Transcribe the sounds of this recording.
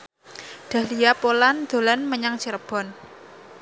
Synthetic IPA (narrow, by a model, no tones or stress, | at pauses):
ɖ̪̥a̤hlijapoland̪̥o̤lanməɲaŋt͡ʃiɾəb̥ɔ̤n